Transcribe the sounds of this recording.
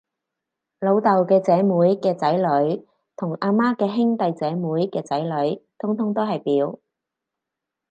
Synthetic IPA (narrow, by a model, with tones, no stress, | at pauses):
lo˨˧wt̪ɐ˨wkɛː˧t͡sɛː˨˥muː˨˥jkɛː˧t͡sɐ˨˥jlɵ˨˥ɥ | t̪ʰʊ˨˩ŋʔaː˧maː˥kɛː˧ɦɪ˥ŋt̪ɐ˨jt͡sɛː˨˥muː˨˥jkɛː˧t͡sɐ˨˥jlɵ˨˧˥ɥt̪ʰʊ˥ŋt̪ʰʊ˥ŋt̪o˥wɦɐ˨jpiː˨˥w